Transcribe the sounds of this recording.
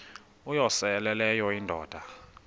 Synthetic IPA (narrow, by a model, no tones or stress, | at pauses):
ujɔsɛlɛlɛjɔindʱɔːd̥ʱa